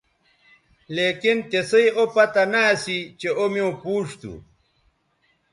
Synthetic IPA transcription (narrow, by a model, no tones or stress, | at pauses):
leːkint̪esɐjopɐt̪anaːsit͡ɕeomiõpuːʂt̪ṵ